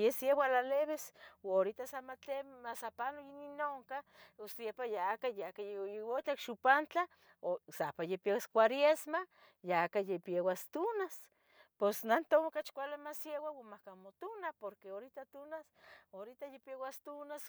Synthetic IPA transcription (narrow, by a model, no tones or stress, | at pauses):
jesjewalaleβesoɾit̪asamat̪emasapanojininoŋkaost̪jepajaakajakajeewot͡ɬ̪akʃupant͡ɬa | osapajepiewaskʷaɾjesma | jaakajepjewast̪unas | posnant̪omkat͡ʃkʷalamasjewawamahkamot̪unapoɾkeoɾit̪at̪unasoɾit̪ajepjewast̪unas